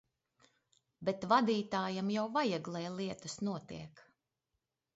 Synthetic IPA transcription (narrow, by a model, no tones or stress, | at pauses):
bɛt̪vad̪iːt̪aːjamjawvajɛɡlˠɛjlˠiɛt̪usnuɔt̪ḭɛk